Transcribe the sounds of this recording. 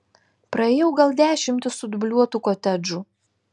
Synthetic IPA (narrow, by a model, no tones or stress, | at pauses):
pɾɐeːjɛʊɡɐlˠd̪ʲæːʃʲɪmʲt̪ʲɪssʊd̪ʊbʲlʲuɔt̪uːkot̪ʲɛd͡ʒuː